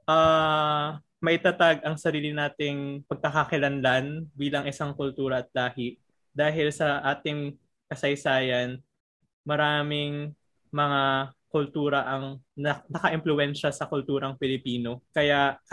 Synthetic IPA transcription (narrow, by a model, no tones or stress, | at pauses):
ʔa | mɐʔɪt̪ɐt̪aɡ̚ʔɐŋsɐɾiːlɪnaːt̪ɪŋpɐɡ̚kɐkɐkɪlɐnlanbiːlɐŋʔɪsaŋkʊlt̪uːɾɐɐt̪̚laːhɪʔ | d̪aːɦɪlsɐʔaːt̪ɪŋ | kɐsɐjsaːjɐn | mɐɾaːmɪŋ | mɐŋakʊlt̪uːɾɐʔɐŋɐnɐkɐʔɪmplʊɛnʃɐsɐkʊlt̪uːɾɐŋpɪlɪpiːno̞kɐjaʔ